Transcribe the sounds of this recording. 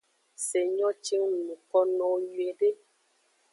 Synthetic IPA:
se˨ɲɔ̃˦t͡ʃi˦ŋ˦nũ˨kɔ˦nɔ̃˨˦wju˨e˨ɖe˦

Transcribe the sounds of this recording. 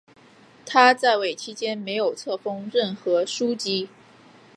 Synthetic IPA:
t̪ʰa˥t͡sa˥˧ɪwe˥˩ɪt͡ɕʰi˥t͡ɕjɛ˥nme˧˥ɪjo˨˩ʊt͡sʰɤ˥˩fɤ˥ŋɻə˥˩nxɤ˧˥ʂu˥t͡ɕi˥

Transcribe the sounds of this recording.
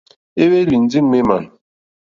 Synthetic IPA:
e˦we˦li˨n̩˦d͡zi˦m˦me˦ma˨n

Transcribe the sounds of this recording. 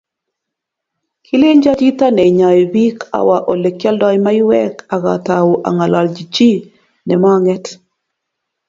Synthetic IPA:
kʰi˦le˦ɲd͡ʒa˦t͡ʃi˦ta˦nɛ˨ɲa˨e˨bi˦ka̰˨wa˨ʔo˨le˨kja˦ldɔ˦jma˦ɪ˦wɛ˦ka˨ɣa̰˨ta˨wo˨ʔa̰˨ŋa˨la˨ld͡ʒi˨t͡ʃi˦ | nɛ˨ma˦ŋɛ˦t

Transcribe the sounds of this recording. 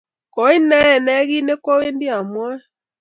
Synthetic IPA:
kɔ˨˦i˦nɛ˦ɛ˨nɛ˦ɣi˦ne˦kɔ˦we˦ndi˦a˨mwɛ˦

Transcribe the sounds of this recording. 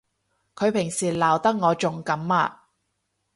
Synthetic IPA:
kʰɵ˨˧ɥpʰɪ˨˩ŋsiː˨˩laː˨˩wt̪ɐ˥k̚ŋɔː˨˧t͡ʃʊ˨ŋkɐ˨˥mːa̰ː˧

